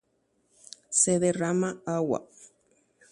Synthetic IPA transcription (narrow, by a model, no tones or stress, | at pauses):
seðeramaawa̰